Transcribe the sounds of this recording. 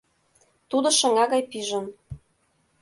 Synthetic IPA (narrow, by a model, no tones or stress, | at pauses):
t̪ud̪ɤ̆ʃɤ̆ŋɑɣɑjpiʒə̆n